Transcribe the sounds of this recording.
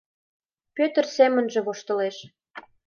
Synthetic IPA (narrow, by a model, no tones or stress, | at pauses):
pøt̪ə̆rsemə̆nʒĕβoʃt̪ɤ̆leʃ